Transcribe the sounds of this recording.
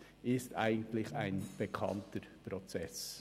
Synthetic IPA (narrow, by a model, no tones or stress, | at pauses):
ʔɪsta̰ɪɡn̩tlɪçaɪnb̥ekʰɑ̰ntəɾpɾɔt͡sɛs